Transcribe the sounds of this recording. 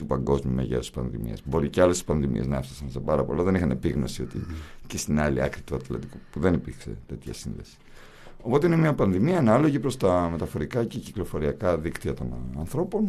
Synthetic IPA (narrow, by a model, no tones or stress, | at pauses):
t̪upɐŋɡo̞zmiumḛʝḛsi̥spɐ̰nðḭmḭɐ̰zbo̞ɾiceɐlesi̥spɐnðimḭe̞znɐefsɐ̥sɐnsepɐɾɐpo̞̰lɐðe̞nixɐne̞piɣno̞sio̞t̪ḭcest̪inɐlḭɐ̰kɾit̪uɐt̪lɐ̰t̪ikupuðe̞nipiɾkse̞̰t̪e̞t̪çɐ̰sinðe̞̰si̥ | o̞po̞t̪e̞ine̞miɐpɐnðimiɐːnɐlo̞ʝipɾo̞st̪ɐme̞t̪ɐfo̞ɾikɐceciklo̞fo̞ɾiɐkɐðikt̪iɐt̪o̞nɐnθɾo̞po̞n